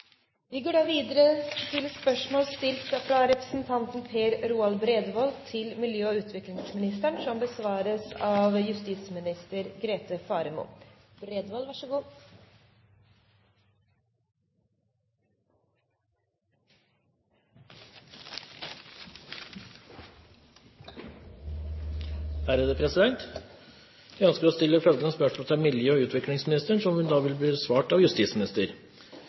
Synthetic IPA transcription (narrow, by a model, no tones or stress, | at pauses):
ʋɪɡoːɖɑːʋiːd̪əɾət̪ʰɪlspœʂmoːlst̪ɪlt̪fɾɑɾɛpɾəsn̩t̪ʰɑnt̪n̩pʰeːɾɾuːɑlbɾeːd̪ʋɔlt̪ʰɪlmɪljøːʉːt̪ʰʋɪklɪŋsmɪnɪst̪æɳsɔmbəsʋɑːɾəsɑːʋjʉst̪iːt̪smɪnɪst̪əɾɡɾeːt̪əfɑːɾəmṵːbɾeːd̪ʋɔːlʋɑʂəɡuː | hæɾəd̪əpʰɾɛsɪd̪ɛnt̪ | ʋæœnskəɾɔst̪ɪlːəfœlɡ̪ənəspœʂmɔlːt̪ʰɑmɪljøːɔʉːt̪ʰʋɪklɪŋsmɪnɪst̪əɳʂɔmhʉnd̪ɑːʋɪlb̪iːsʋɑːʈɑʋjʉst̪iːsmɪnɪst̪əɾ